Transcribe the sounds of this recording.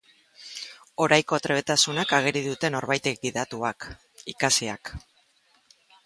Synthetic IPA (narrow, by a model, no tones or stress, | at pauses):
o̞ɾajko̞t̪ɾe̞β̞et̪asunakaɣ̞e̞ɾiðut̪e̞no̞ɾβajt̪e̞k̚biðat̪uak | ikasiak